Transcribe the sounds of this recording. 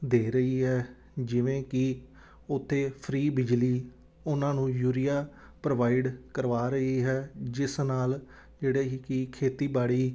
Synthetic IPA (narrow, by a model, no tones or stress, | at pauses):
d̪eːɾəiːɦɛː | d͡ʒɪʋẽːkɪ | ʊt̪ʰːeːpʰɾiːbɪd͡ʒliː | ʊnãːnũːjuːɾɪjaː | pɾəʋaːɪɖkəɾʋaːɾəɦiːɦɛːd͡ʒɪsnaːl | d͡ʒeːɽeːɦiːkɪkʰeːt̪iːbaːɽiː